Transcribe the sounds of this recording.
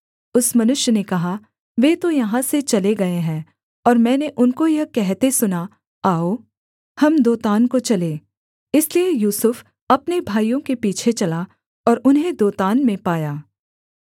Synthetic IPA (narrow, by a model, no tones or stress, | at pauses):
ʊsmɐnʊʃjənekɐɦa | ʋeːt̪ojɐɦãset͡ʃɐleɡɐeɦɛ̃ː | ɔːɾmɛ̃ːneʔʊnkojɐkɛɦt̪esʊna | aːoː | hɐmd̪oːt̪aːnkot͡ʃɐleː | ɪsliejuːsʊf | ɐpnebʱaːijõkepiːt͡ʃʰet͡ʃɐla | ɔːɾʊnɦẽd̪oːt̪aːnmẽpaːjaː